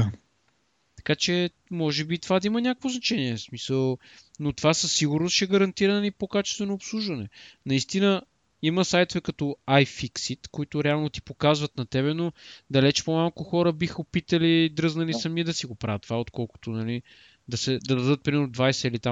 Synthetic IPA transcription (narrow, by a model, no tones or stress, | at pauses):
a | t̪ɐ̥kat͡ʃɛ | mɔʒɛbit̪ovad̪ɐimənʲakəkvoznɐt͡ʃɛniɛsmisəlˠ | not̪ovasəsːiɡʊɾnosʃɛɡəɾɐnt̪iɾənlipokat͡ʃɛ̥st̪vɛnoːpslˠuʒvɐnɛnɐist̪inə | iməsajt̪ovɛkɐt̪ɔajfiksit̪koit̪ʊɾɛalˠnot̪i̥pokazvət̪nɐt̪ɛbɛnod̪ɐlɛt͡ʃpomalˠkʊxɔɾəbixəopit̪əlid̪ɾɤznɐlisɐmid̪ɐsiɡopɾavɐt̪ːovaot̪kʰɔlˠko̥t̪onɐli | d̪ɐsɛd̪ɐd̪ɐd̪ɤt̪̚pɾimɛɾnoʊd̪vajsɛilit̪am